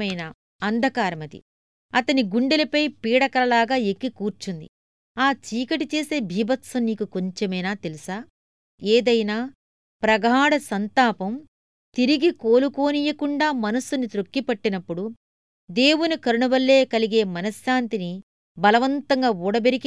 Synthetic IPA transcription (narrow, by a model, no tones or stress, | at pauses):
ɐjnɐ | ɐnd̪ʱɐkaːɾɐmɐd̪ḭ | ɐt̪ɐniɡuɳɖelɐpɐjpiːɽɐkɐlɐlaːɡaːekːikuːɾt͡ʃund̪ḭ | aːt͡ʃiːkɐʈit͡ʃe̞ːse̞ːbʱiːbɐt̪sɐniːkuko̞ɲt͡ʃemɐjnaːt̪elisaː | eːd̪ɐjnaː | pɾɐɡʱaːɽɐsɐnt̪aːpɐm | t̪iɾiɡikoːluko̞ːnijɐkuɳɖaːmɐnɐsunit̪ɾokːipɐʈːinɐpːuɽu | d̪e̞ːwunikɐɾuɳuʋɐlːeːkɐliɡe̞ːmɐnɐsjaːnt̪ini | bɐlɐʋɐnt̪ɐŋɡaːuːɽɐbeɾik